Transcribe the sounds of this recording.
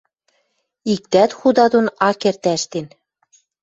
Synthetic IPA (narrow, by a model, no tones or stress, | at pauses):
ik̚t̪æt̪xud̪ɑd̪onɑkert̪æʃt̪en